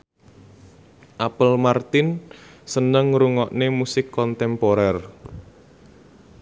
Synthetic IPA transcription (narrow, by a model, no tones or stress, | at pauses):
ʔapəlmart̪ɪnsənəŋɾuŋɔʔnemusɪkːɔnt̪ɛmpoɾɛr